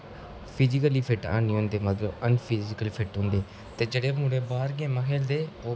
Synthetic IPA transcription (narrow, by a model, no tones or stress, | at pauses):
pʰɪzɪkəliːpʰɪʈã̰ːnĩːõːnd̪eːmət̪ləbənpʰɪzɪkəlːpʰɪʈɦõːnd̪eː | t̪eːd͡ʒeɽeːmũːɽeːbaːɾɡẽːmãːkʰeːld̪eːoː